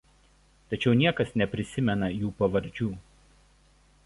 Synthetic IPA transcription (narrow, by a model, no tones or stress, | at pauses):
t̪ɐt͡ʃʲɛʊnʲiɛkɐsnʲɛpʲɾʲɪsʲɪmʲɛnɐjuːpɐʋɐɾʲd͡ʒʲuː